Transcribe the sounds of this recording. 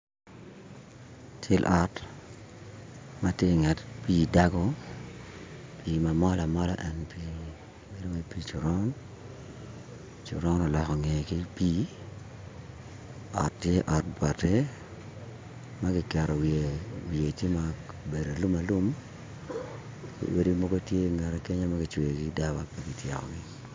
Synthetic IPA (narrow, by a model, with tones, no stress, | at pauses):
t͡ʃɪ˦lʔɔ˨t | ma˦tje˦˨ŋɛ˨tpiː˦da˦ɡo˦ | pʰiːma˨mɔ˦la˨mɔ˦la̰˨ʔɛ˨npi | be˨do˦we˦pi˦t͡ʃu˨ɾɔ˦n | t͡ʃu˨ɾɔ˦nɔ˨lɔ˨kɔ˨ŋe˨ki˦piː˦ | ɔ̰˨tːje˦ʔɔ˨t̚bwa˨tɛ˦ | ma˦ɡɪ˨kɛ˨ɾɔ˨wewie˨tje˦ma | be˨do˨lu˦ma˨lu˦m | kḭ˨we˦di˦mo˦ɡo˦tje˦ŋɛ˨ɾɛ˨ke˦ɲo˦ma˦ɡɪ˨t͡ʃwe˨ɡida˦ba˦pa˨ɡi˨tjɛ˨kɔ̰˨ɡɪ˦